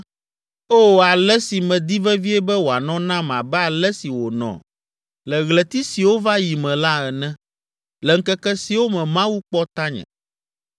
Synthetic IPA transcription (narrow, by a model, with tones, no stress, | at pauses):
o˦˨a˨lɛ˦si˨mɛ̃˨d̪i˦vɛ˦vi˦ɛ˦bɛ˦wo˨a˨nɔ̃˦nã˦m˨a̰˨bɛ˦a˨lɛ˦si˨wo˨nɔ̰̃˨ | lɛ˨ɣlɛ˨t̪i˦si˨wo˦va˦ji˨mɛ̃˨la˦ɛ˨nɛ̃˦ | lɛ˨ŋ̩˦kɛ˦kɛ˦si˨wo˦mɛ̃˨mã˦wu˦k͡pɔ˦t̪a˦ɲɛ̰̃˨